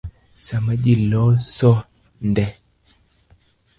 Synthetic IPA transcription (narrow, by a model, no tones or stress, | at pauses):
saməɗilɔsɔ | ndɛ